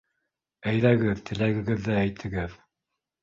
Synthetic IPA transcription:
æjðæɡɘðt̪ʰɘ̆læɡɘ̆ɡɘðːæːjt̪ʰɘ̆ɡɘð

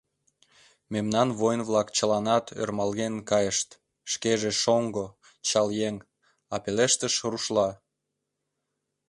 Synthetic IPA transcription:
memnɑnβojnβlɑkt͡ɕəlɑnɑt̪ʰø̰rmɑlɣenkɑjəʃt̪ | ʃkeʒeʃoŋɡo | t͡ɕɑljeŋ | ɑpeleʃt̪əʃruʃlɑ

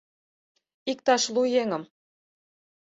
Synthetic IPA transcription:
ik̚t̪ɑʃlujeŋə̆m

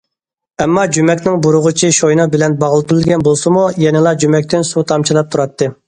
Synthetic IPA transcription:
ɛmːɑd͡ʒymɛkʲnɪŋbuɾʊʁʊt͡ʃʰiʃojnɑbɪlɛnbɑʁlˠɨt̪uɾɨlɡʲɛnbolˠsɨmujɛnɪlˠɑd͡ʒymɛkʲt̪ʰɪnsut̪ʰɑmt͡ʃʰilˠɑp̚t̪ʰuɾɑt̪ːɨ

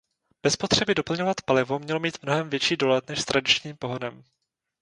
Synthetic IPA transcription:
b̥ɛspo̞t̪r̝̥ɛbɪdo̞pl̩ɲovat̪palɪvo̞mɲɛlomiːt̪mno̞ɦɛmvjɛt͡ʃiːdo̞lɛt̪nɛʃst̪ɾʔadɪt͡ʃɲiːmpo̞ɦodɛm

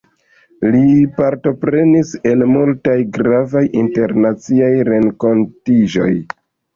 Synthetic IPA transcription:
lipaɾto̞pɾe̞nise̞lmultajɡɾavajinte̞ɾnat͡siajɾe̞ŋko̞ntid͡ʒo̞̰j

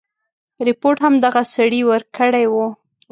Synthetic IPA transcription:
ɾɪpoɾʈhamd̪aɣasaɽiwəɾkəɽajwu

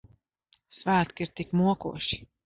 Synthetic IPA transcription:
svæːt̪kiɾt̪ikmuɔkṵɔʃi̥

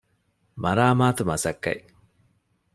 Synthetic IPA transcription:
mɐɾaːmaːt̪umɐsɐkːɐ̰ji

